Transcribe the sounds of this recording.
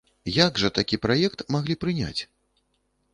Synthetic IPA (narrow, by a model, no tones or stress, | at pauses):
jaɡʐɐt̪akʲipɾajɛk̚t̪maɣlʲipɾɨnʲa̰t͡sʲ